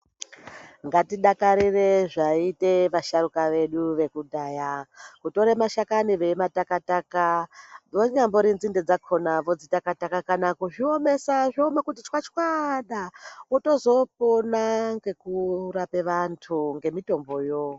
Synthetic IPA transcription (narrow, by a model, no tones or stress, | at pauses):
ŋɡatiɗakaɾire̞ʐaite̞ʋaʃaɾukaʋe̞ɗuʋe̞kuɗajakuto̞ɾemaʃakaniʋe̞matakatakaʋoɲamboɾinzinded͡zakʰo̞naʋo̞d͡zitakatakakanakuʐiome̞saʐomekut̬it͡ʃwat͡ʃkwaɗauto̞zo̞p̚onaŋɡe̞kuɾape̞ʋantʰuŋɡe̞mito̞mbo̞jo